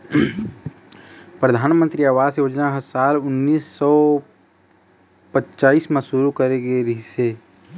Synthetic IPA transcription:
pɾəd̪ʱaːnmə̃nt̪ɾiaːʋaːzjoːd͡ʒnaɦɐsaːlʊnːiːsːɔ | pətːt͡ʃaːiːsmẽsʊɾukəɾeɡeɾiɦɪseː

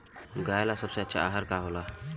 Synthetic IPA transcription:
ɡajlasəbseətːʃʰa̰ʔa̰ɦəɾkaɦola

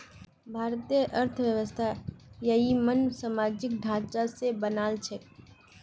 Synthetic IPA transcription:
bʱaːɾt̪ijəʔəɾt̪ʰəʋjəʋəst̪ʰajəɦimənsamaːd͡ʒɪk̚ɖʱãːt͡ʃasebənaːlt͡ʃʰe

